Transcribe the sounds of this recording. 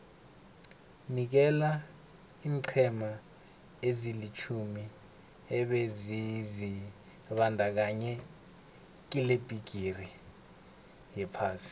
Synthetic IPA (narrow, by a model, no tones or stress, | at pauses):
nik̬ɛla | iːŋǀʰɛma | ezilit͡ʃʰumi | ɛɓezizi | ɓandʱak̬aɲɛ | k̬ileb̥ʱiɡ̥ʱiri | jɛpʰaːsi̥